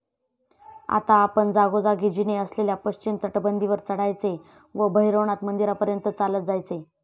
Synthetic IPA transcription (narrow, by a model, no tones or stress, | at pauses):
a̰t̪aːpəɳd͡zaɡod͡zaɡid͡ʑineəsleljapəɕt͡ɕint̪əʈbənd̪ʱiʋəɾt͡səɽajt͡se | ʋəbʱəɦiɾoɳat̪mənd̪iɾapəɾjənt̪ət͡salət̪̚d͡zajt͡se